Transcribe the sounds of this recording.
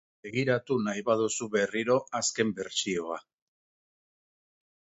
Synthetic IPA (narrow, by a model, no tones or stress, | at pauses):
e̞ɣiɾat̪unajβað̞usuβe̞riɾo̞ʔaske̞mbe̞ɾt͡sio̞a